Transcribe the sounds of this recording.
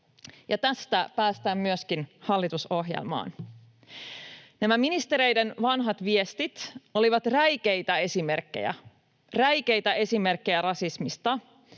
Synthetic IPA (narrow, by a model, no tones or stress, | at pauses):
jɑt̪æst̪æpæːst̪æːmmyøskinhɑlːit̪uso̞ɦjḛlmɑ̰ːn | næmæminist̪e̞ɾe̞jde̞nʋɑnɦɑt̪ʋie̞st̪it̪o̞liʋɑt̪ræjk̟e̞jt̪æe̞simerkːḛjæ̰ | ræjke̞jt̪æʔe̞sime̞rkːejærɑsismist̪ɑ